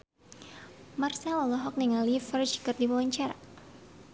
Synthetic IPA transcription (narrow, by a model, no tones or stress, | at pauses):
marsalɔlɔɦɔk̚niŋalifərd͡ʒkɨrdiwawaɲt͡ʃaɾa̰